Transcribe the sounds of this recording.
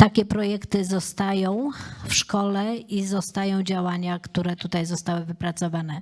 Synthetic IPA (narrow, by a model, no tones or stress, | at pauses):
t̪akʲɛpɾɔjɛkt̪ɘzɔst̪ajɔ̃w̃fʂkɔlɛizɔst̪ajɔ̃w̃d͡ʑawaɲakt̪uɾɛt̪ut̪ajzɔst̪awɘvɘpɾat̪sɔvanɛ